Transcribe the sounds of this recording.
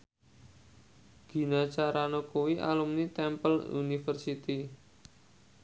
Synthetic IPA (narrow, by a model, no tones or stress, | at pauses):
ɡ̥i̤nat͡ʃaɾanokuwiʔa̰lumnit̪ɛmpəlṵnifərsit̪i